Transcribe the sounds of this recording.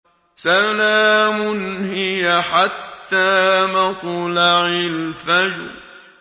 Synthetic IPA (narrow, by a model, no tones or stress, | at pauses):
salaːmʊnhɪjaħat̪ːaːmɑt̪laʕɪlfad͡ʒʊ̰ɾ